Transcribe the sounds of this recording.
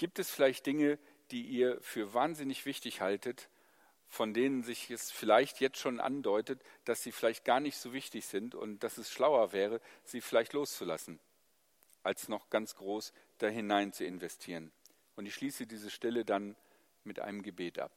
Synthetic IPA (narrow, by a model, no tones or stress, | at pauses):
ɡ̥iːp̚tɛsfɪlaɪçt̚d̥ɪŋə | d̥iːʔiːɐfyːɐvaːnzɪnɪçv̥ɪçtɪçhaltət | fɔndeːnənzɪçɛsfɪlaɪçtjɛt͡stʃoːnʔa̰ndɔʏtətd̥asz̥iːfɪlaɪçt̚ɡ̥aːɐnɪçtz̥oːvɪçtɪçz̥ɪntʊ̰nt̚d̥asɛsʃlaʊɐvɛːʁ̞əz̥iːfɪlaɪçtloːst͡sula̰sn̩ | ʔalsnɔχɡ̥ant͡sɡ̥ʁoːsd̥aːɦɪnaɪnt͡suɪnvɛstʰiːʁən | ʔʊntɪçʃliːsədiːzəʃtɛlədan | mɪtʔa̰ɪnəmɡəbeːtʔa̰p̚